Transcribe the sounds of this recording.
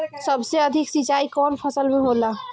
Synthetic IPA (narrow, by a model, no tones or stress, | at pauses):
səbseəd̪ʱiksit͡ʃaikɔːnpʰəsəlmẽɦola